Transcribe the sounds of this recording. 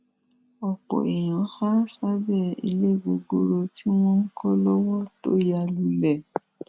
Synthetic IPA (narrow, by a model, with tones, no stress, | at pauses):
ɔ˨k͡pɔ̰˨e˨j̃ã˨˦xa˦sa˦bɛ˦˨ḭ˧le˦˨ɡ͡bo˧ɡo˦ɾo˧ti˦w̃ɔ̃˦ŋ̩˦kɔ˦lɔ˦wɔ˦to̰˦ja˧lu˨lɛ˨